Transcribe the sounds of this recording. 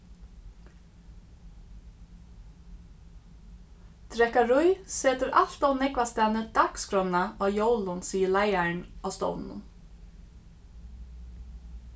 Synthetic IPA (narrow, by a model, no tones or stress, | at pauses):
t̪ɾɛkaɾʊjseːt̪əɾʔal̥t̪aʊnɛkʋast̪æːnəd̪̥akskɾɔnaoːjowlʊnsiːəlæɪaɹɳɔːst̪o̰wnn̰